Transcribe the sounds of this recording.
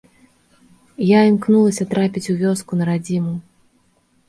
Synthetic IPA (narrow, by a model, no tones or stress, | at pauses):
jaimknulˠɐsʲɐt̪ɾapʲit͡sʲuvʲɔskunɐɾad͡zʲimu